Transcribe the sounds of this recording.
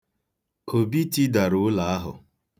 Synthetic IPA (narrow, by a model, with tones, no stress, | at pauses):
kʰo˨bi˦ti˦da˨ɾʊ˨˦la˨a˦ɦʊ̰˨